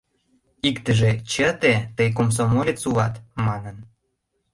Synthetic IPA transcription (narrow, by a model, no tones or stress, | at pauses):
ikt̪ə̆ʒĕt͡ɕət̪et̪əjk̬oms̬omolʲet͡suvɑt̪mɑnən